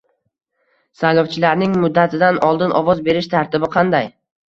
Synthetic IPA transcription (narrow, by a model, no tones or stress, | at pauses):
sajlˠɒwt͡ʃʰɪlaɾnɪŋmʊd̪ːat̪ʰɪd̪anɒlˠd̪ɪnʔɒvɒzbe̞ɾɪʃt̪ʰaɾt̪ʰɪbɪqʰɑnd̪aj